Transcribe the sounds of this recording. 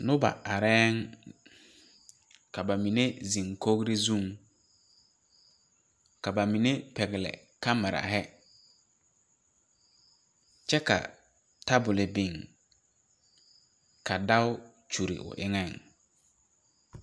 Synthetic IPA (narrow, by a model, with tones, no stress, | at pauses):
nʊ˦ba̰˨ʔa˨ɾɛː˦ŋ | ka˨ba˨mi˨ne˦zi˨ŋko˦ɡɾi˦zũ˦˨ŋ | ka˨ba˨mi˨ne˦pɛ˨ɡɪ˨lɛ̰˨ | ka˦ma˨ɾa̰˨ɦɛ˦ | t͡ʃɛ˦ka̰˨ | ta˦bʊ˨lɪ˨bɪ˨ŋ | ka˨da˦ʊ˦ | t͡ʃu˨ɾḭ˨ʔʊ̰˨ʔɪ̰˦ŋɛ˦˨ŋ